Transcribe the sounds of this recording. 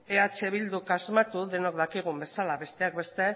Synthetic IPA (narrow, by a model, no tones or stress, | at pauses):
eat͡ʃe̞βild̪ukazmat̪uðe̞no̞kd̪akiɣ̞umbe̞salaβe̞st̪e̞ak̚be̞st̪e̞